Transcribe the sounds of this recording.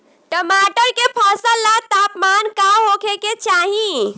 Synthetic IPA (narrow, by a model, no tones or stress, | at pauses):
ʈəmaʈəɾkepʰəsəlːat̪apmankaɦokʰeket͡ʃaɦĩ